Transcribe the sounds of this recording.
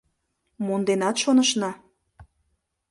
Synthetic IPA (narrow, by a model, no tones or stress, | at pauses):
mond̪enɑt̪ʃonəʃnɑ